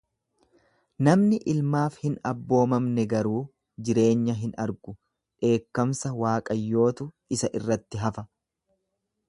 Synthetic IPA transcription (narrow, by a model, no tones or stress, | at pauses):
nɐmnɪʔɪlmaːfhɪnɐbːo̞ːmɐmnɛɡɐɾuː | d͡ʒɪɾe̞ːɲːɐɦɪnɐɾɡʊ | ᶑe̞ːkːɐmsɐwaːkʼɐjːo̞ːt̪ʊ | ɪsɐʔɪrːɐt̪ːɪɦɐfɐ